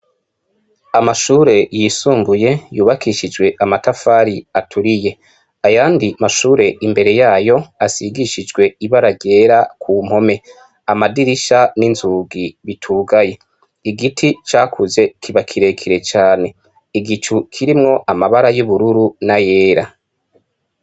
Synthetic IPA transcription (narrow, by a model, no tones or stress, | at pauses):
amaʃuːɾe̞jisuːmbuje̞juːβakiʃid͡ʒɡwe̞ʔamatafaːɾiatʰuɾije̞ | ajaːndimaʃuːɾe̞imbe̞ɾe̞jaːjo̞asiɡiʃid͡ʒɡwe̞iβaɾaɡɟe̞ːɾakʰuːm̥ho̞me̞ | amadiɾiʃaninzuːɡiβitʰuːɡaje̞ | iɡitʰit͡ʃaːkʰuze̞kʰiβakʰiɾe̞kʰiɾe̞t͡ʃaːne̞ | iɡit͡ʃukʰiɾimŋo̞ʔamaβaɾajuβuɾuɾunaje̞ːɾa